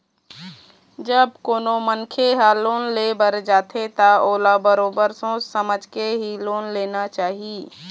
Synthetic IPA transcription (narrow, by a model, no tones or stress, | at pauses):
d͡ʒəb̚koːnomənkʰeɦaloːnleːbəɾd͡ʒaːt̪ʰet̪aoːlabəɾoːbəɾsõsəməd͡ʒkeɦiloːnleːnat͡ʃaːɦieː